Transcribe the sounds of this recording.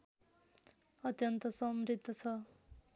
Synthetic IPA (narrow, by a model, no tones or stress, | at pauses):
ʌt̪jʌnt̪ʌsʌmrid̪ʱːʌt͡sʰʌ